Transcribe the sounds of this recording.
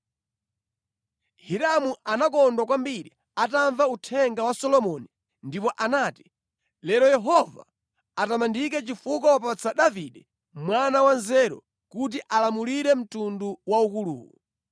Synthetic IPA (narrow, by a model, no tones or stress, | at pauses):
hiɾamuʔanak̬ɔndwakwambiɾḭ | ataɱvautʰɛŋɡawasɔlɔmɔni | ndipɔʔanaːti̥ | lɛɾɔjɛɦɔva̰ | atamandik̬ɛt͡ʃifuk̬awap̬at͡sʰaɗaviɗɛ | mwanawanzɛɾɔ̰ | kut̬iʔalamuliɾɛm̩tunduwaukulṵːku